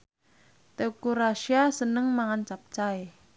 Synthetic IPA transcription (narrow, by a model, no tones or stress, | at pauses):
t̪eokuɾaʃiasənəŋmaŋant͡ʃap̚t͡ʃae